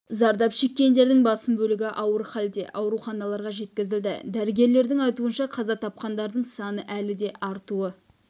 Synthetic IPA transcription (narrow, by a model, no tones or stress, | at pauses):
zɑɾd̪ɑpʃe̞kʲːe̞nd̪e̞ɾd̪ɪŋbɑsəmbɵlɪɡʲɪʔɑwəɾχɑld̪e̞̰ʔɑwɾuχɑnɑlˠɑɾʁɑʒe̞t̪̚kʲɪzɪld̪ɪ̰d̪æɾɪɡʲe̞ɾle̞ɾd̪ɪŋɑjt̪uənʃɑqʰɑzɑt̪ʰɑp̚qɑnd̪ɑɾd̪əɴsɑnəʔælɪd̪e̞ʔɑɾt̪uə